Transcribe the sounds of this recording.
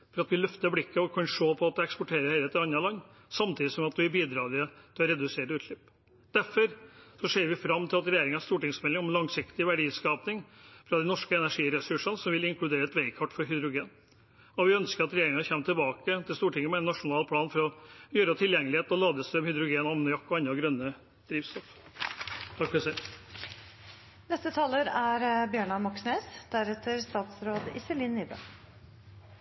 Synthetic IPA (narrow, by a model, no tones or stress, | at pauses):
fɔɾɑt̪ʋɪlœft̪əblɪkːəɔkʰɑnʂoːpʰɔɑt̪̚d̪ɛkspɔʈʰeːɾəɛɪlet̪əɑnːɑlɑŋː | sɑmt̪ʰiːd̪ɪsɔmɑt̪̚d̪ʉæbiːd̪ɾɑːlɪt̪ʰɪlɔɾɛd̪ʉseːʈʉːt̪lʏpː | d̪̥æɾfɔɾsɔseːɾʋɪfɾɑmt̪ʰɪlɑt̪ɾɛjeːɾɪŋɑst̪uːʈɪŋsmɛlːɪŋɔmlɑŋsɪkt̪ɪʋæɖiːskɑːpnɪŋfɾɑd̪ɛɪnɔʂkəɛnæʂiːɾɛsʉʂənsɔmʋɪlɪŋklʉd̪eːɾəɛt̪ʋeɪkʰɑʈːfɔɾɦʏd̪ɾʊɡeːn | ɔʋɪœnskəɾɑt̪ɾɛjeːɾɪŋɑçɛmːət̪ʰɪlbɑːkət̪ʰɪlst̪uːʈʰɪŋːəmɛnːɑʂʊnɑːlpʰlɑːnfɔɾɔjøːɾət̪ʰɪljɛŋːəlɪheːt̪nɔlɑːd̪əst̪ɾœmhʏd̪ɾʊɡeːnɑmnəjɑkːɔɑnːɑɡɾœnːə | d̪̥ɾiːʋst̪ɔf | t̪ʰɑkfɔɾɛsɛɪ | nɛst̪ət̪ʰɑːləɾæɾbjøːɳɑmɔksneːsd̪̥æɾɛt̪ʰəɾst̪ɑːt̪sɾoːd̪ɪ̰səliːnːibə̰